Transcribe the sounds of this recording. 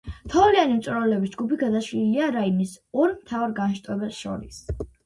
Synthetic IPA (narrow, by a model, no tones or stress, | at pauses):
t̪ʰɔlianimt̪sʼuɾalɛbisd͡ʒɡupiɡad̪aʃliliaɾainisɔɾmt̪ʰavaɾɡanʃt̪ʼɛbɛsʃɔ̰ɾis